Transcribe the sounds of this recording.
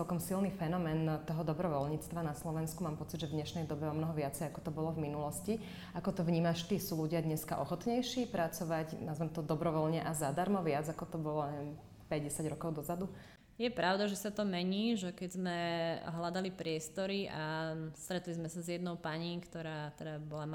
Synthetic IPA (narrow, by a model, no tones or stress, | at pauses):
t͡sɛlkɔmsilnifɛnɔmɛːnt̪ɔɦɔd̪ɔbɾɔʋɔlɲit͡st̪ʋanaslɔʋɛnskumaːmpɔt͡sid̪ʒɛvd̪ɲɛʃnɛjd̪ɔbɛɔmnɔɦɔʋɪat͡sɛjakɔt̪ɔbɔlɔvminulɔsci | akɔt̪ɔvɲiːmaʃt̪iːsuːluɟɪad̪ɲɛska̰ʔɔxɔt̪ɲɛjʃiːpɾʔat͡sɔʋacnazmɛmt̪ɔd̪ɔbɾɔʋɔlɲɛʔazad̪aɾmɔʋɪad͡zakɔt̪ɔbɔlɔɛn | pɛɟɟɛsaɟɾɔkɔʊd̪ɔzad̪u | jɛpɾʔaʊd̪aʒɛsat̪ɔmɛɲiːʒɛkɛɟzmɛɦlad̪alipɾɪɛst̪ɔɾiʔast̪ɾɛt̪lizmɛsazjɛd̪nɔʊpaɲiːkt̪ɔɾaːt̪ɛd̪abɔla